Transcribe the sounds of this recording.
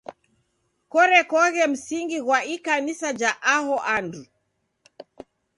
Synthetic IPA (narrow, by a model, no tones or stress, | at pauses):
kɔɾɛkɔɣɛm̩siŋɡiɣwaikanisad͡ʒaʔaɦɔʔandu